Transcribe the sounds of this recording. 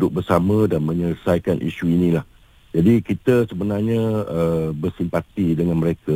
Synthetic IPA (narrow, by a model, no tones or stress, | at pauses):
dʊk̚bərsamə̃danmə̃ɲərsajkanʔḭʃuinĩlah | d͡ʒadikit̪əsəbənarɲə̃əbərsimpat̪idəŋanməɾeka